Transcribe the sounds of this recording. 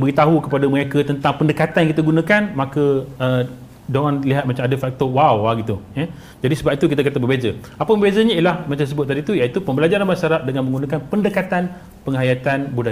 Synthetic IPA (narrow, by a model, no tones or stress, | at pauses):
bəɡit̪aɦukəpadaməŋakət̪ənt̪aŋpəndəkat̪anjaŋkit̪aɡunãkanmãkəə | doanliɦat̪̚mat͡ʃamadəfak̚t̪ɔwawaɡit̪uja | d͡ʒadisəbap̚it̪uk̬it̪akat̪abəbezə | apəbəbezəɲəilahmat͡ʃas̬əbʊt̪̚ːadit̪ujait̪upəmbəlad͡ʒaɾanbaʃaɾat̚dəŋanməŋɡunãkanpəndəkat̪an | pəŋɦajat̪anbuda